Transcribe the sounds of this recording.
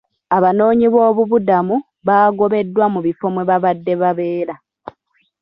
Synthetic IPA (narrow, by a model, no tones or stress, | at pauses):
aβano̞ːɲiβo̞ːβuβudamu | βaːɡo̞βe̞dːwamuβifo̞mweβaβadːe̞βaβe̞ːɾa